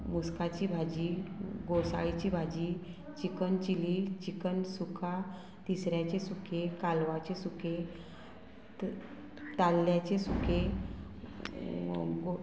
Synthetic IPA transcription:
muskat͡ɕibʱad͡ʑiɡosa̰ɭit͡ɕiːbʱad͡ʑiː | t͡ɕikənt͡ɕilit͡ɕikənsukʰa | t̪isɾjat͡ɕesukʰekalʋat͡ɕesukʰe | t̪alːjat͡ɕesuke | ɡo

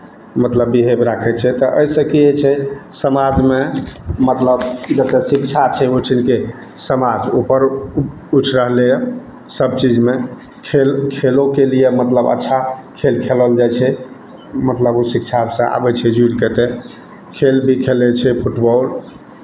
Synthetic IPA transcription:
mət̪ləbːiɦebɾakʰɛt͡ʃʰɛt̪əʔəisə̃kiet͡ʃʰɛsəmad͡ʒmemət̪ləbd͡ʒət̪ɛsikt͡ʃʰat͡ʃʰɛoʈʰinke | səmad͡ʒupəɾ | ut͡ʃʰɾəɦlej | səb̚t͡ʃid͡ʒme | kʰelkʰelokelijemət̪ləbə̰tːʃʰakʰelkʰeləld͡ʒajt͡ʃʰɛ | mət̪ləbusik̚t͡ʃʰasə̃a̰bɛt͡ʃʰɛd͡ʒuɽket̪e | kʰelbʱikʰelɛt͡ʃʰɛpʰuʈbɔl

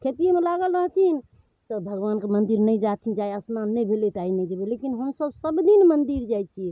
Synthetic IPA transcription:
kʰet̪iemelaɡəlɾəɦt̪ʰin | t̪ɔbʱəɡʋankemənd̪iɾnəjd͡ʒat̪ʰind͡ʒajəsnanːəjbʱelet̪ainɛd͡ʒebelekinɦəmsəbsəbd̪inmənd̪iɾd͡ʒajt͡ʃʰi

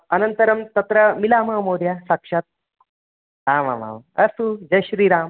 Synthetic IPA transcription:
ɐnɐnt̪ɐɾɐmt̪ɐt̪ɾɐmilaːmaːmoːɾjasakʂɐt̪̚ | aːma̰ma̰mɐsud͡ʒɐɕɾiːɾaːm

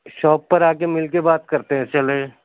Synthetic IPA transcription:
ʃɔːpːɐɾaːkemɪlk̬ebaːt̪̚kɐɾt̪eɦɛ̃t͡ʃɐleː

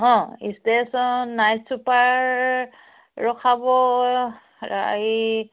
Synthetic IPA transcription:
ɦɔ̃ḭstesɔnajtsupaɹ | ɹɔkʰabɔ | ɹa̰j

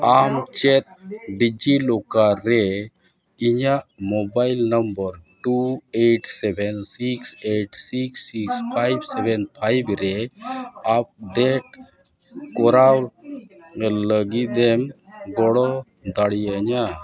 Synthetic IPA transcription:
amt͡ʃɛt̪̚ɖid͡ʒilokaɾɛ | iɲaʔmɔbajlnəmbəɾʈueʈsɛbʱɛnsikseʈsiksikspʰajbsɛbʱɛnpʰajbɾɛ | ap̚d̪ɛʈ̚ | kɔɾaw | ləɡid̪ɛmɡɔɽɔ | d̪aɽijaəɲa

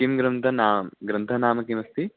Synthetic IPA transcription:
kimɡɾɐnt̪ʰɐnaːmɡɾɐnt̪ʰɐnaːmɐkimɐst̪i

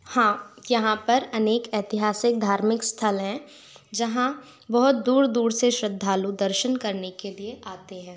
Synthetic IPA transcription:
hãːjɐɦãpɐɾɐneːkɛːt̪ɪɦaːsɪk̚d̪ʱaːɾmɪkst̪ʰəlɦɛ̃ | d͡ʒɐɦã | bɐɦʊt̪̚d̪uːɾd̪uːɾseʃɾɪd̪ʱːaːlud̪əɾʃənkɐɾnekelieʔaːt̪eɦɛ̃ː

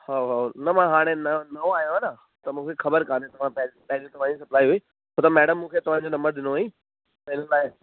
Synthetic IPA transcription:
haɦanɐmãɦaːɽ̃ẽnɐnɐoaːɦjõɦanə | t̪ɐmũːkʰexɐbəɾkãːnet̪ɐʋ̤ãppɛɦlĩt̪ɐʋ̤ãd͡ʑisɐplaːiɦuiː | ɦot̪amɛːɽəmːũːkʰeːt̪ɐʋ̤ãd͡ʑonɐ̃mbəɾɗ̪ɪnoĩ | t̪ɐɪnəlaːɪ

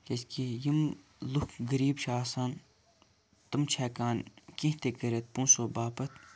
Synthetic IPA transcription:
keskijim | lukʰɡəɾiːbʃaːsaːn | t̪ɐmt͡ʃʰɛːkaːnkĩɦt̪ekɐɾʲet̪̚pũːsoːbaːpɐt̪ʰ

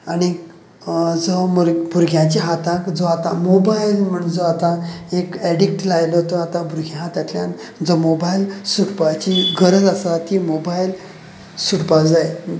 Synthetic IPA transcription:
añi | d͡zɔmoɾbʱuɾɡʱjãt͡ɕiɦat̪akd͡zɔat̪amobailm̤əɳd͡zoat̪ãekɛɽik̚ʈlajlɔt̪ɔat̪ãbʱuɾɡʱjãɦat̪at̪ljand͡zɔmobailsuɽpat͡ɕiɡəɾəd͡zasat̪imobail | suʈpad͡zaj

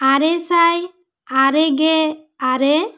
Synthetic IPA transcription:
aɾɛsaj | aɾɛɡɛ | aɾɛ

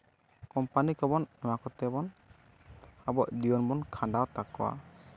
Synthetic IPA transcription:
kɔmpanikɔbɔnɛmakɔt̪ɛbɔn | abɔʔd̪iɔnbɔnkʰaɳɖawt̪akːɔwa̰

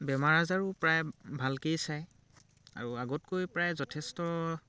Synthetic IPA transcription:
bɛmaɹazaɹupɹajbʱalkejsaj | a̰ɹuaɡɔtkojpɹajzɔtʰɛstɔ

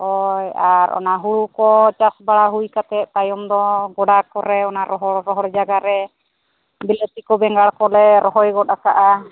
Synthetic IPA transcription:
ɔjaɾʔɔ̰naɦuɽukɔt͡ʃasbaɽaɦujkat̪ɛt̪̚t̪ajɔmd̪ɔɡɔɽakɔɾɛɔnaɾɔɦɔɽɾɔɦɔɽd͡ʒaɡaɾɛ | bilet̪ikɔbɛŋɡaɽkɔlɛɾɔɦɔjɡɔtakaʔa

